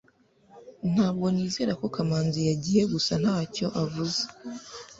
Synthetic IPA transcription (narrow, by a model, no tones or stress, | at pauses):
n̥haːb̚ɡo̞niːzeːɾako̞kamaːnzijaɟije̞ɡusan̥haːco̞ʔavuze